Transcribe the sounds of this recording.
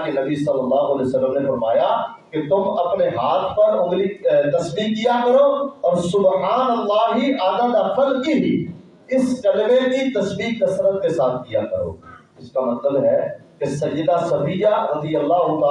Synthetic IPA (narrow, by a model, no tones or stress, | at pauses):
kenɐbisɐlːəlːaːɦʊɐleosɐlːəmnefɐɾmaːja | ket̪ʊmɐpneɦaːt̪ʰpɐɾʊ̃ɡ̪ɾit̪ɐsbiːk̚ːijakɐɾoːɔːɾsʊbħaːnɐlːaːɦiʔaːd̪ad̪əfəlkiɦi | ɪskɐlmekit̪ɐsbiːkːɐsɾət̪̚kesaːt̪ʰkijakɐ̰ɾo̰ː | ɪskamɐnəlɦɛkesɐjːəd̪asɐfiːjaɾɐd̪ijəlːaːɦʊt̪a